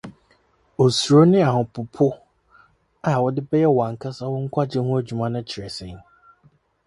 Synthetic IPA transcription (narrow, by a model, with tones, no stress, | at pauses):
o˨su˨ɾo˦nɪ̃˦a˨hʊ̃˨pʰʊ˨pʰʊ˦ | a˨wɔ˨dɪ˦bɛ˦jɛ˦wã˨ŋ˨kʰa˦sa˦wʊ˦ŋ̩˦kʷʰa˦d͡ʑɪ˦hũ˦æ˦d͡ʑᶣu˨mã˦nʊ̃˦t͡ɕʰɪ˨ɾɛ˨sɛ̃˨˦